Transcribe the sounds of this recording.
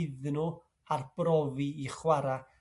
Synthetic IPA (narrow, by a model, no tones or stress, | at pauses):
ɪðnʊ | arb̥rɔviiχwaɾa